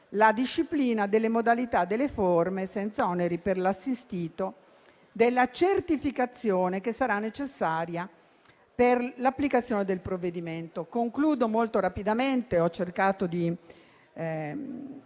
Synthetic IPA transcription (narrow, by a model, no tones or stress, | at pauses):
lad̪iʃːipliːnad̪elːemod̪alit̪ad̪ːelːeformesɛnt̪saɔneɾiperlasːist̪iːt̪o | d̪elːat͡ʃert̪ifikat̪sːjoːnekesːaɾanːet͡ʃesːaːɾja | perlapːlikat̪sjoːned̪elpɾovːed̪iment̪okoŋkluːd̪omolt̪oɾapid̪ament̪eɔt͡ʃːerkaːt̪od̪i